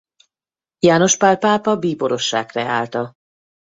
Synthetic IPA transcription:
jaːno̞ʃpalpaːpɒbiːbo̞ɾo̞ʃːa̰ːkrɛaːlt̪ɒ

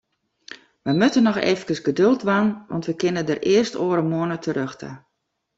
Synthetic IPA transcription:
ʋəjmøtənɔxḛːvəkəsɡədølˠtʋanʋɑ̰ntʋəkɪnədərɪərstoːəɾəmoənətʰəɾøxtʰə̰

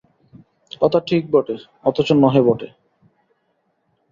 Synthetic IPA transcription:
kɔt̪aʈʰik̚bɔʈe | ɔt̪ot͡ɕonɔɦebɔʈe

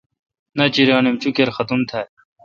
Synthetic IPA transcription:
nɐt͡ɕiɾaːnemt͡ɕukeɾxɐt̪umt̪ʰɐ

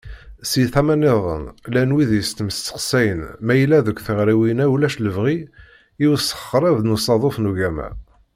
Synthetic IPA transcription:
siθæmænɪðˤə̰nlænwiðjəst̪məst͡sːə̥qsæjənmæjəlːæðəkʷːθəʁɾiwinæwlæʃləvʁi | iwəsə̥χːɾˤævnusˤɑðˤofnuʝæmæ̰

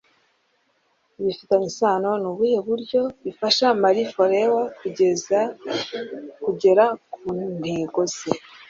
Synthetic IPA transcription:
iβifitaɲisaːno̞nuβuheβuɾɟo̞βifaʃamaɾifo̞ɾewakueza | kuɟe̞ɾakun̥heːɡo̞z̥e

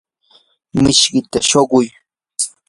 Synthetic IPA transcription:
mɪʃɢɪt̪aʃoɢʊj

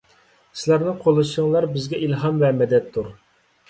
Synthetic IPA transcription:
sɪlæɾnɨqʰolˠɨʃəŋlˠɑɾbɪzɡʲɛʔilɦɑmvɛmɛd̪ɛt̪ʰːuɾ

